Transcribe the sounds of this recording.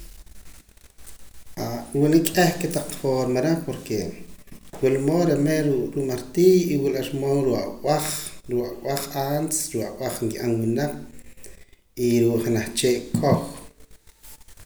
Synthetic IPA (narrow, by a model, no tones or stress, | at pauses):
awunikʼehket̪aq͡χfoɾmaɾepoɾke | wilmoːɾemeɾuɾuʔmaɾt̪iːjiwilaɾmoɾuʔaaχɾuʔawaχansɾuʔaw̰aχŋkiʔanwunaq͡χ | iɾuʔχenaχt͡ʃeːʔkʼox